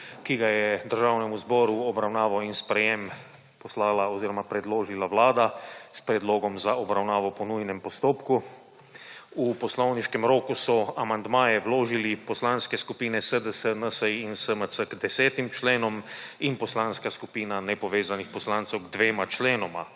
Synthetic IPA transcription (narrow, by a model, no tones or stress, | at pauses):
kiɡajɛd̪əɾʒawnɛmuzbɔːɾuɔbɾawnaːʋɔinspɾɛjem | pɔslaːlaɔziːɾɔmapɾɛd̪loːʒilawlaːd̪aspɾɛd̪loːɡɔmzaɔbɾawnaːʋɔpɔnujnɛmpɔst̪oːpku | upɔslɔwniʃkɛmɾoːkusɔamand̪maːjɛwloːʒilipɔslanskɛskupiːnɛsəd̪əsənəsəjinsəməsəɡd̪ɛsɛːt̪imt͡ʃleːnɔminpɔslanskaskupiːnanɛpɔʋeːzanixpɔslant̪sɛwɡd̪ʋeːmat͡ʃleːnɔma